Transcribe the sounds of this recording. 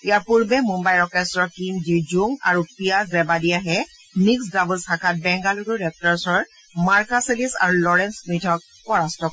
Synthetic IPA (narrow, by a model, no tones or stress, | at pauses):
ijaɹpuɹbɛmũmbajɹɔkɛstɹɔkind͡ʒid͡ʒuŋa̰ɹupiaɹɛbadiaɦɛ | miksdabəlsʰakʰat̚bɛŋɡaluduɹɛp̚taɹsɔɹ | maɹkaselisa̰ɹulɔɹɛnsmitʰɔk̚ | pɔɹastɔk